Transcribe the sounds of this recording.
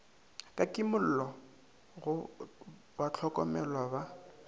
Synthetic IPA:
kʼakʼɪmʊl̩lɔ | ɣʊ | bat͡ɬʰɔkʼɔ̰mɛlwaba

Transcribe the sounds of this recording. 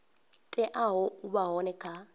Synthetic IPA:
tʼɛʔaɦɔubaɦɔnɛkʰa

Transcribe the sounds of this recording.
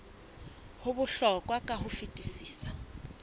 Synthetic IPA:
hʊβuɬɔkʼwakʼahufitʼisiːsḁ

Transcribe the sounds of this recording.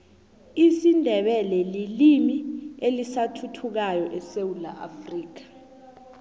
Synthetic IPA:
isindʱɛɓɛlɛlilimielisatʰutʰuk̬ajɔʔɛsewula̰ʔa̰friːk̬ḁ

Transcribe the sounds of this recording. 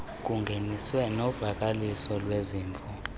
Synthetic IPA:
k̬ʼuŋɡʱeniswɛnɔvak̬ʼalisɔlweziːɱfɔ

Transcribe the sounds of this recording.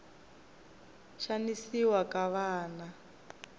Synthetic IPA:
ʃanisiwakaβaːna

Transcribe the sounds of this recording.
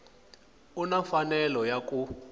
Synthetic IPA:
unafanɛlɔjak̬ʼu

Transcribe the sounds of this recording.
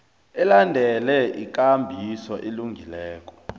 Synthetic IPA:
ɛlandʱɛlɛʔik̬ʼambʱisɔʔeluŋʱilɛːk̬ɔ̥

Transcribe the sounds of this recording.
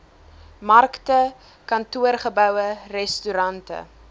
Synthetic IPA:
mɐrktə | kɐntuərχəbœwərɛstyɾɐntə̰

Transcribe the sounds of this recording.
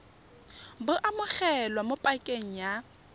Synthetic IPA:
bʊʔamʊk͡xɛlwamʊpʼakʼeŋ̩ja

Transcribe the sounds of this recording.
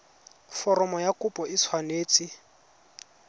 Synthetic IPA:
fɔɾɔmɔjakʊpʼɔɪsʰwaneːt͡sʼɪ

